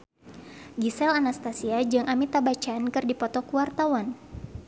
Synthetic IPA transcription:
ɡisɛlanast̪asiad͡ʒɨŋʔamit̪abat͡ʃaːnkɨrdipɔt̪ɔkuwart̪awan

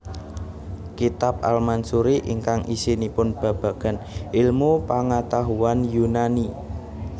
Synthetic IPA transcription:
kit̪ap̚a̰lmansuɾiʔḭŋkaŋʔisinipʊnb̥ä̤b̥ä̤ɡ̥ä̤nʔɪlmupaŋat̪aɦuanjunani

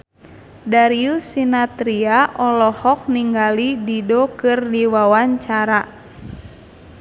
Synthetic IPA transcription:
daɾiusinat̪ɾiaʔɔlɔhɔk̚niŋɡalididɔkɨrdiwawaɲt͡ʃaɾa

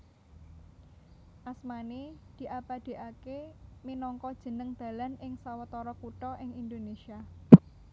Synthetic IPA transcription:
ʔasmanid̪̥i̤ʔapad̪̥e̤ʔakeminɔŋkɔd̥ʒ̥ə̤nəŋd̪̥ä̤lanɪŋsawət̪ɔɾɔkuʈɔʔɪŋind̪onesia

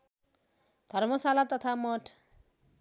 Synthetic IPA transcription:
d̪ʱʌɾmɔsalat̪ʌt̪ʰamɔʈʰ

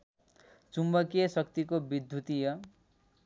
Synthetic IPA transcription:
t͡sumbʌkijʌsʌkt̪ikobid̪ʱjut̪ijʌ

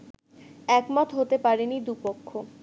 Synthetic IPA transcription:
ɛkmɔt̪ɦot̪epaɾenid̪upokʰːo

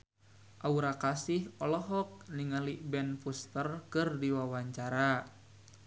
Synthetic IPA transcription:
ʔauɾakasihɔlɔɦɔk̚niŋalibɛnfust̪ərkɨrdiwawaɲt͡ʃaɾa

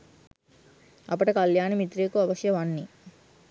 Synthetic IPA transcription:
ɐ̰p̬ːɐʈɐkɐljaːnɐmit̪ɾeːkuɐʋɐʃjɐʋɐnːi

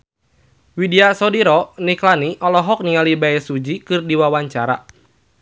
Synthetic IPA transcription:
widiasɔdiɾɔniklaniʔɔlɔɦɔk̚niŋalibaɛsud͡ʒikɨrdiwawaɲt͡ʃaɾa̰

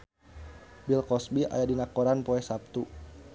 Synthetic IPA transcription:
bilkɔsbia̰jadinakɔɾanpɔɛsap̚t̪u

